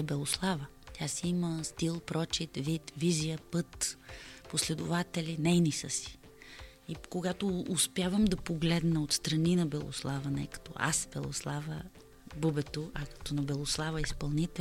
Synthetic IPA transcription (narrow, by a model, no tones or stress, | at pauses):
ɛbɛlˠoslˠavə | t̪ʲjasiiməst̪ilˠpɾɔt͡ʃit̪vit̪vizijəpɤt̪poslɛd̪ʊvat̪ɛlinɛjnisəsi̥ | ikoɡat̪oːspjavəmd̪ɐpoɡlɛd̪nɐot̪st̪ɾɐninɐbɛlˠo̰slˠavɐnɛ̰kɐ̥t̪ɔ̰a̰sb̥ɛlˠo̰slˠavə | bubɛt̪oʔɐkɐ̥t̪ɔnɐbɛlˠoslˠavəispɐlˠnit̪ɛ